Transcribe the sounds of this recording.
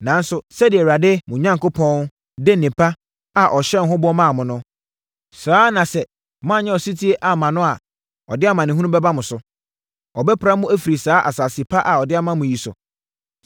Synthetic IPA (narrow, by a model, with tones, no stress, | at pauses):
nã˨n̩˦sʊ˨sɛ˦dɪ˨ɛ˨wa˨dɪ˦mʊ̃˨ɲã˦ŋko˦pʰɔ̃˦n˦ | de˦nĩ˨pʰa˦ | a˨ʔɔ˨ɕɛ˦˨n˨ɦʊ̃˦bʊ˦ɔ˦mã˦˨mʊ̃˨nʊ̃˦ | saː˨˦nã˨sɛ˨ | mã˦˨ɲɛ̃˦ɔ˨si˦tʰi˦e˦ʔa˨mã˨nʊ̃˦a˨ | ɔ̰˨dɪ˦a˦mã˨nɪ̃˨ɦũ˦ũ˦bɛ˦ba˦mʊ̃˨sʊ˨ | ɔ˨bɛ˦pʰɾa˦mʊ̃˦æ˦fi˨ɾi˨saː˨˦ʔa˨saː˨sɪ˨pʰa˦ʔa˨ɔ˨dɪ˦a˦mã˦mʊ̃˨ji˨sʊ̰˨